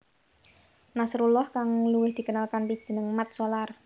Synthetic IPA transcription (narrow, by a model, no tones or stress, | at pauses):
nasɾulɔhkaŋluwɪhd̪̥i̤kənalkanpid̥ʒ̥ə̤nəŋmat̪̚solar